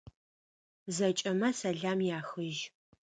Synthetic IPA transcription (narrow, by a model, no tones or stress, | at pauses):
zɐt͡ʃʼɐmɐsɐɮaːmjaːxɨʒ